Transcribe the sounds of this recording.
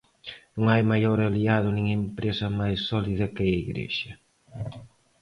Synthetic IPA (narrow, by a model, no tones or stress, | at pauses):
nũŋajmajoɾaliaðʊnĩŋempɾesɐmajsːɔliðɐkeaiɣɾḛʃɐ